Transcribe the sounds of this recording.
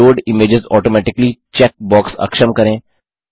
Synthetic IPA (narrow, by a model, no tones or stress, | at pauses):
oːɾɖɪmeːd͡ʒɪzɔːʈoːmɛːʈɪklit͡ʃɛːk̚bɔːksɐ̰kʃəmkɐɾẽː